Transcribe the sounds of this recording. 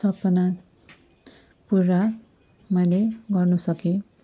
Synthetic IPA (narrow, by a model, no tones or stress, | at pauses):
sʌpʌna | purːa | mʌjleɡʌrnusʌkĩ